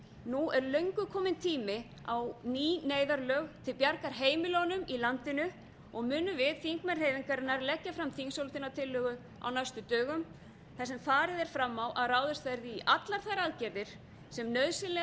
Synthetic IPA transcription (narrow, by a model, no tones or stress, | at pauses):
nuɛɾlœɥŋkʏkʰɔːmɪnt̪ʰiːmɪ | awniːneːjðaɾlœːɣt̪ʰɪlpjaɾkaɾ̥ɦeːjmɪlɔnʏmilant̪ɪnʏ | ɔɣmʏːnʏvɪðθiŋkmɛnr̥heːjviŋkaɾɪnaɾlɛcːafɾamθʰiŋsowlt̪ɪnːat̪ʰɪlːʏɣʏ | a̰wnajst̪ʏt̪œːɣʏm | θasɛmfaːɾɪðɛɾ̥fɾamːawʔaðraːwðɪst̪fɛɾðɪːʔat̪laɾ̥θajɾaðcɛɾðɪɾ̥ | sɛmnœðsɪlɛ